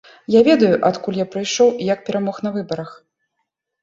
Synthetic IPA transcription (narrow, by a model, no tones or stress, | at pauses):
javʲɛd̪ɐjuʔat̪kulʲjapɾɨjʂɔwjɐk̚pʲɛɾʔamɔxnɐvɨbɐɾɐx